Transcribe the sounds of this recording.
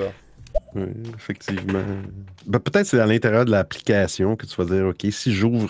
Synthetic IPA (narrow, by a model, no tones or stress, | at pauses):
wḭefɛk̚t̪siːvmã̰bɛpøt̪ɛɪt̪̚sed̪ãlɛ̃t̪eʁjœːʁd̪əlaːpli̥kʲaːsjɔ̃kət̪t͡s̪yvad͡ziːʁokʲesiʒuːvʁ